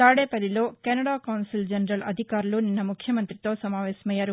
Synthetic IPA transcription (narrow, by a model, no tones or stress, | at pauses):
t̪aːɽeːpɐd̪ilo̞ːkɛnɐɽaːkɐwnsild͡ʒɐnɾɐlɐd̪ʱikaːɾuluninːɐmukʰjɐmɐnt̪ɾit̪o̞ːsɐmaːʋɛːsɐmɐjːaːɾu